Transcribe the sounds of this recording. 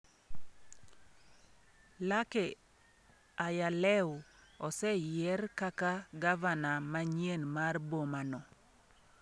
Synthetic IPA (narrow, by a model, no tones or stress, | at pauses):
lakɛ | ajalɛwʊɔsɛjɛrkakaɡavanamaɲjenmarbomanɔ